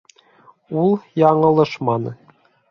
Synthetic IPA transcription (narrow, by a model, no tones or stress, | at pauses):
ulˠjɑɴɤ̆lˠɤ̆ʃmɑnɤ̆